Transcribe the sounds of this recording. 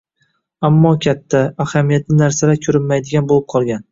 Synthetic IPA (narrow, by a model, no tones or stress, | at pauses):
amːɒkʲʰat̪ʰːaːhamijat̪nɪnaɾsaɾakʲʰɵɾɪnmajd̪ɪɡʲanbolˠɪp̚qʰɒlˠɡʲan